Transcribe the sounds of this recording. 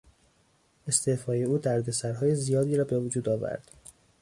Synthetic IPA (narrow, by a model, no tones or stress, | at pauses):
e̞st̪ʰe̞fɒːje̞uːd̪æɾd̪e̞sæɾɦɒːje̞zijɒːd̪iːɾɒːbe̞vod͡ʒuːd̪ɒːvæ̰ɾd̪̥